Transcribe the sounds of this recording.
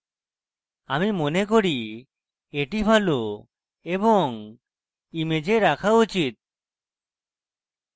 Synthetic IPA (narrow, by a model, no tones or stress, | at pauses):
amimonek̬oɽi | eʈibʱalo | ebɔŋ | imed͡ʒeɾakʰaut͡ʃit̪̚